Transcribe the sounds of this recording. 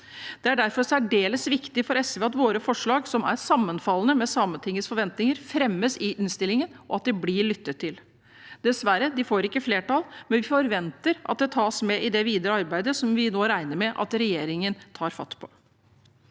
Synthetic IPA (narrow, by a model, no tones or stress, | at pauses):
d̪̥ɛæɖæɾfɔɾsæɖeːləsʋɪkt̪ɪfɔɾɛsʋɛɑt̪ʋoːɾəfɔʂɭɑːɡsɔmæ̰ɾsɑmːənfɑlːənəmɛsɑmənt̪ʰɪŋːəsfɔɾʋɛnt̪nɪŋəɾfɾɛmːəsɪʔɪnst̪ɪlːɪŋənʔɔɑt̪̚d̪ɛblɪɭʏt̪ːət̪ʰːɪl | d̪̥ɛsʋæɾəd̪ɪfoːɾɪkːəfleːʈɑlˠmɛnʋɪfɔɾʋɛnt̪əɾʔɑ̰t̪̚d̪ɛt̪ʰɑːsmɛʔɪd̪ɛʋiːd̪əɾəɑɾbæɪd̪əsɔmʋɪnoːɾæɪnəɾmɛʔɑ̰t̪ɾɛjeːɾɪŋənt̪ʰɑːɾfɑ̰t̪ːpʰɔ